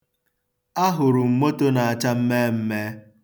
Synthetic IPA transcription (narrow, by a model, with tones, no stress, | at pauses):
a˦ɦʊ˨ɾʊ˨m̩˨mo˦to˦na˨a˨t͡ʃa˦m̩˦me˦m̩˦me˦